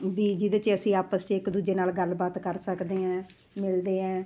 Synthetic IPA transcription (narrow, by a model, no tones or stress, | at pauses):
biːd͡ʒɪd̪eːt͡ʃəsĩːaːpəst͡ʃɪkd̪uːd͡ʒeːnaːlɡəlbaːt̪kəɾsəkd̪eːɦãː | mɪld̪eːɛ̃ː